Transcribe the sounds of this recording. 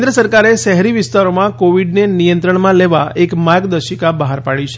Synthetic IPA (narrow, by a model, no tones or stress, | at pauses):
nd̪ɾəsəɾkaɾeʃɛɦɛɾiʋɪst̪aɾomãkoʋiɖnenijə̃nt̪ɾəɳmãleʋaekmaɡd̪əʃikabəɦaɾpaɭit͡ʃʰ